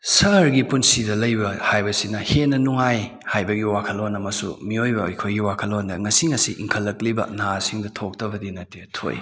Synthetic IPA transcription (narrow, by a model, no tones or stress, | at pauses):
sɐɾɡipunsidɐlɐjbɐhajbɐsinɐhenːɐnuŋaj | hajbɐɡiwakʰɐlonɐmɐsṵmiojbɐ̰ːjkʰojɡiwakʰɐlondɐŋɐsiŋɐsiʔḭŋkʰɐlːɐklibɐ̰nasiŋdɐtʰok̚tɐbɐdinɐtːetʰo̰j